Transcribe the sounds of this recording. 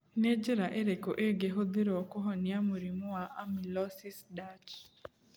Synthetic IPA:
ned͡ʒɪɾaʔeɾekoʔeɡeɦod̪ɪɾɔɔkoɦɔnɪamoɾimʊaʔamilɔsisdat͡ʃ

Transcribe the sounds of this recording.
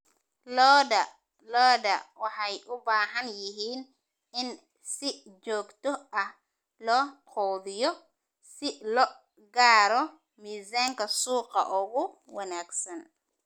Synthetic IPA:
lɔdɐ | lɔːdɐwɑħɑjʔʊbaːɦɐnjɪɦiːn | ɪn | sɪ | d͡ʒɔːɡt̪ɔʔɐh | lɔːqʰɔðɪjɔ | sɪlɔ | ɡaːɾɔ | miːzaːŋkʰɐsuːqɑ̰ʔʊɣʊ | wɐnaːɡsɐn

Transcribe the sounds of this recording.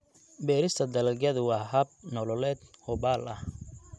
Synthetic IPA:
bɛːɾɪst̪ʰɐd̪ɐlɐɡɐðʊwɑːɦɐb̚nɔlɔlɛːd̪hɔbaːlʔɐh

